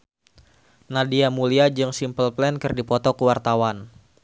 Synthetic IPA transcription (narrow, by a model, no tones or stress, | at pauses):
nadiamuliad͡ʒɨŋsimpəlplɛnkɨrdipɔt̪ɔkəwart̪awan